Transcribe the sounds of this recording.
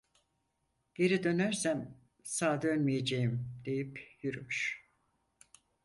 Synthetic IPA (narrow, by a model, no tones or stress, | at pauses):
ɟ̥e̞ɾid̪ø̞næɾsæm | saːd̪ønmijed͡ʒejimd̪̥e̞jipjyɾymyʃ